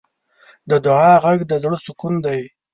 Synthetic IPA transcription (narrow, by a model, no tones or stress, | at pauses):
d̪əd̪ʊʕɑɣaɡd̪əzɽəsʊkund̪aj